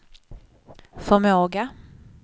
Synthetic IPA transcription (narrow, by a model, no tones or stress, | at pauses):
fœɾmoːɡa